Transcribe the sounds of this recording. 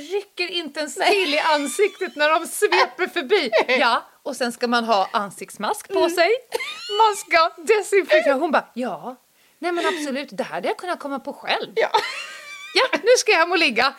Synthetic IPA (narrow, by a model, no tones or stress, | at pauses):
ɾʏkːəɾɪnt̪əɛnsɪlɪʔansɪkt̪ət̪næɖɔmsvɛːpəɾfœbiːjɑ | ɔsɛnskamanɦɑːʔansɪk̚t̪smaskpʰɔsɛjmanskad̪ɛsɪnfɪt̪ːɦʊnbɑːjɑː | nɛmɛnabsɔlʉ̟ːt̪d̪ɛhæ̰ɾhad̪əjakʰɵnːakʰɔmːapʰɔɧɛlv | janʉ̟ːʂkajahɛmʊlɪɡːa